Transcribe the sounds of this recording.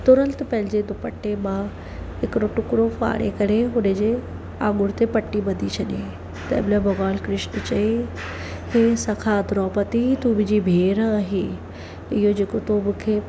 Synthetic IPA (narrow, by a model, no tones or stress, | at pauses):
t̪ʊɾə̃nt̪pɐ̃ɦɪ̃ɲd͡ʑed̪ʊpəʈːemã | ɦɪkɾoʈʊkɽofa̰ːɽḛkɐɾeɦʊnəd͡ʑe | ã̰ːŋɡʊɽt̪epɐʈːimɐd̪ʱit͡ɕʰɐɗe | t̪ɐ̰ɪbɪlabɐɣaːlkɾɪʃnt͡ɕɐe | heːsɐkʰad̪ɾɔːpət̪it̪ubɪd͡ʑibʱeːɾaːɦe | ɪɦod͡ʑeːkot̪omʊ̃kʰeː